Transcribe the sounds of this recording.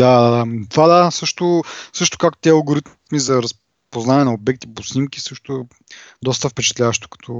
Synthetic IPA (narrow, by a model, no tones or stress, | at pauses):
d̪ad̪ad̪at̪ovad̪asɤʃt̪ʊsɤʃt̪ʊ̥kakt̪t̪ɛɐlˠɡoɾit̪ | mizɐɾɐs | poznaɛnɐobɛk̚t̪iposnimkisɤʃt̪ʊ | d̪ɔst̪əfpɛt͡ʃɛ̥t̪lʲavəʃt̪ʊ̥kɐ̥t̪ʰɔ